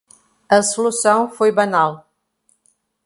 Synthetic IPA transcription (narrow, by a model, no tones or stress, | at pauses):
ɐsulusɐ̃w̃fojbɐnal